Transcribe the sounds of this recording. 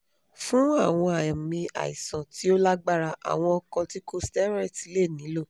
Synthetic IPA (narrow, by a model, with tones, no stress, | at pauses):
fũ˦a˦˨w̃ɔ̃˧a˨ã˨mĩ˧a̰˨i˨sã˨ti˨˦o˦la˦ɡ͡ba˦ɾa˧ʔa̰˨w̃ɔ̃˧ɔ˧kɔ˧ti˦ko˦stɛ˦ɾɛ˦˨ti˨˦le˦˨nĩ˨˦lo˦˨